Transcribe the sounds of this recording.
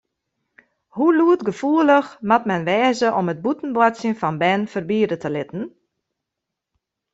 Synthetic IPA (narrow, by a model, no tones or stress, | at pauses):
huluətɡəfuələxmatmɛnʋɛːzəʔɔməd̚butn̩bwɔtsjənfɔnbɛnfərbiːdətəlɪtən̩